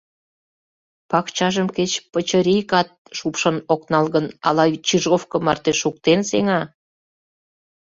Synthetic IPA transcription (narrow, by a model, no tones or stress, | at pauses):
pɑkt͡ɕɑʒəmket͡ɕpət͡ɕəɾijkɑt̪̚ʃupʃənoknɑlɣənɑ̰lɑjt͡ɕiʒofkə̆mɑ̰rt̪eʃuk̚t̪enseŋɑ